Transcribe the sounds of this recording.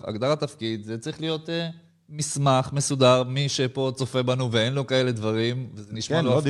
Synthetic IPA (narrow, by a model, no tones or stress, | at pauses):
a̰ɡd̪aʁat̪afkid̪zet͡saʁiχlijo̞t̪ | mismaχme̞sudaʁmiʃepo̞t͡so̞fe̞banuveenlo̞kae̞led̪vaʁimvezeniʃmalo